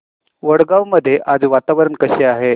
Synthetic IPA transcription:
ʋəɽɡaʋməd̪ʱːjeʔad͡zʋat̪aʋəɾəɳkəɕeaɦe

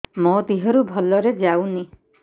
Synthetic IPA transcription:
mot̪iɦɔɾubʱɔlɔɾed͡ʒawni

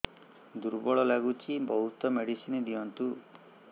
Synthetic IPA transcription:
d̪uɾbɔɭɔlaɡut͡ʃʰibɔɦut̪ɔmeɽisined̪iɔnt̪u

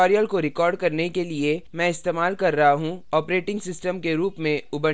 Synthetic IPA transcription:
ɔːɾijəlkoɾɪkɔːɾɖ̚kɐɾnekeliemɛ̃ɪst̪eːmaːlkɐɾːɐɦaɦũɔːpɾeːʈɪ̃ŋɡsɪsʈəmkeɾuːpmẽʊbə

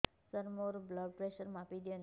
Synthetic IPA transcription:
səɾmoɾblaɖpɾeʃəɾmapid̪iən

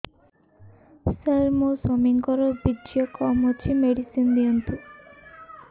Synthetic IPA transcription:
selmosɔmiŋkɔɾɔbid͡ʒjɔkɔmɔt͡ʃʰimeɽisind̪iɔnt̪u

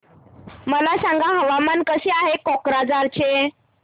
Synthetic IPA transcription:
məlasãŋɡaɦəʋamankəɕeaɦekɔkɾad͡zaɾt͡ɕe

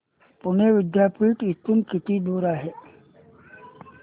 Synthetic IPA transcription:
pʊneʋɪd̪jaːpiːʈɪt̪ʊnkɪt̪id̪oːɾaɦɛː

